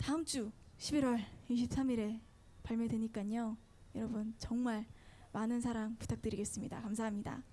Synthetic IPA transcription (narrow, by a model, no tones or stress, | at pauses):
taɯmt͡ɕ͈u | ɕʰibiɾwʌɭiɕ̬ʰip̚s͈amiɾe̞ | paɭmjʌdwe̞ɲik͈aɲo | jʌɾʌbɯnt͡ɕʌŋmaɭ | manɯns̬ʰaɾaŋpu̥tʰak̚t͈ɯɾiɡe̞s͈ɯmɲida̰kamsʰaɦamɲida̰